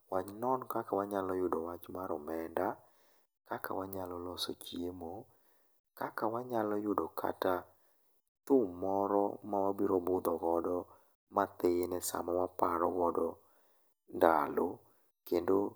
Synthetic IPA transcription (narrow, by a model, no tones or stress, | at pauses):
waɲnɔnkakawaɲalɔjʊdɔwat͡ʃmaɾɔmɛnda | kaka̰waɲalɔlɔsot͡ʃjemo | kakawaɲalɔjʊdɔkʰa̰ta | tʊmːɔɾɔmawabiɾɔbʊd̪ɔɡɔdɔ | mat̪enɛsa̰mawapaɾɔɡɔdɔ | ndalo | kendo